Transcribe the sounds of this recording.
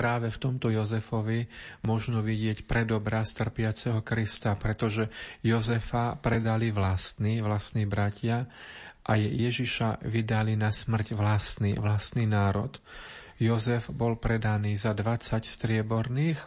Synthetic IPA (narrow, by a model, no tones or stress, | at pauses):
pɾaːʋɛft̪ɔmt̪ɔjɔzɛfɔʋimʊɔʒnɔʋiɟɪɛcpɾɛd̪ɔbɾast̪r̩pɪat͡sɛɦɔkɾist̪apɾɛt̪ɔʒɛjɔzɛfapɾɛd̪aliʋlast̪niːʋlast̪niːbɾacʰɪaʔajɛjɛʒiʃaʋid̪alinasmr̩ɟʋlast̪nḭʋlast̪niːnaːɾɔ̰t̪ | jɔzɛvbɔlpɾɛd̪aniːzad̪ʋat͡sacst̪ɾɪɛbɔɾniːx